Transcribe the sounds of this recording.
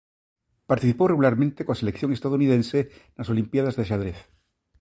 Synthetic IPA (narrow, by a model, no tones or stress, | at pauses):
paɾt̪iθiporeɣulaɾmẽnt̪ekoaselekθjoŋest̪aðouniðẽnsenaso̞limpjaðazðeʃ̬aðɾeθ